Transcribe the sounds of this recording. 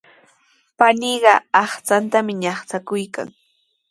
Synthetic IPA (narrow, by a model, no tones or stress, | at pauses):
paniɢɑɑχt͡sant̪amɪɲɑχt͡sakʊjka̰ŋ